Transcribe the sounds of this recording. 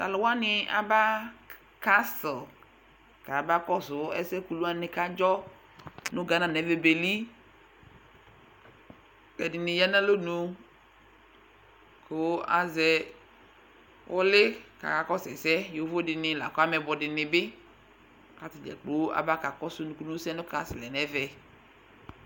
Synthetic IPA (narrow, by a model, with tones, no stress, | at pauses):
ta̰˨lo˨wa˦nɪ˨a̰˨ba˦ | ka˦sɔ˨ | ka˨ba˦kɔ˦sʊ˨˦ɛ̰˦sɛ˦ku˨lu˦a˦ne˨ka˦d͡ʒɔ˦ | nũ˦ɡa˨nã˨nɛ˨˦ve˨be˨li˦ | kɛ˨di˨nɪ̃˨ja˦nã˦lo˦nũ˨˧ | ko˨˦a̰˨zɛ˦ | wʔɔ˦lɪ˦ka̰˨ka˨kɔ˦sɛ˨sɛ˦jo˨˦vo˦dɪ˨nɪ̃˨la̰˨kɔ˦a˦mɛ˨bɔ˨dɪ˨nɪ˨bɪ˦ | ka˨t̪ɪ˨dɛ̰˨k͡po˨˦a̰˨ba˦ka˨kɔ˦sʊ˦nũ˨ku˦nu˦sɛ˦nʊ̃˦ka˦sɪ˨lɛ˨nɛ˦vɛ˨